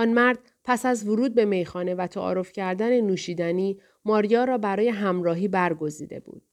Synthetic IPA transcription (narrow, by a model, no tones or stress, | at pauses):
ʔɒnmæɾd̪̥̚ | pʰæsæzvoɾuːd̪̚be̞me̞jxɒːne̞væt̪ʰæʔɒ̰ːɾo̞fcʰæɾd̪æne̞nuːʃiːd̪æniː | mɒːɾijɒːɾɒːbæɾɒːje̞ɦæmɾɒːɦiːbæɾɡo̞zḭːd̪e̞̰bṵːd̪̥